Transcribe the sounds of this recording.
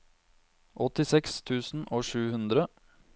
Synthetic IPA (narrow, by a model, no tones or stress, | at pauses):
ʔɔt̪ɪsɛkst̪ʰʉːsn̩ʔoːʂʉːhʉnd̪ɾə